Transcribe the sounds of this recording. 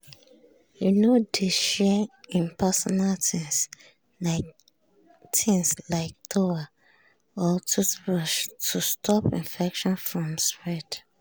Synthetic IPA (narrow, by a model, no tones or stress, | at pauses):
junodiʃɛĩnpʰɛsɔnaltĩŋs | a | tʰĩŋslaɪk̚tʰoa | ɔtʰusɹɔʃtʰustʰɔpḭ̃nfɛkʃɔ̃nfɹɔ̃mspɹɛd